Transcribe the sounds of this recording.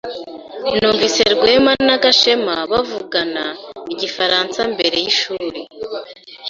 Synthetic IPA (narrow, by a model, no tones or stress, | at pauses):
nuːɱvise̞ɾɡweːmanaɡaʃe̞maβavuɡanaiɟifaɾaːnsambe̞ɾe̞jiʃuːɾe